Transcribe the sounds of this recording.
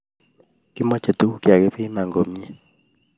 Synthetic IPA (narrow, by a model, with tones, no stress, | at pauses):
kɪ˦mɔ˦t͡ʃe˨tu˦ku˦kja˨ke˦pɪ˦ma˨ŋɡo˨mi˦e˦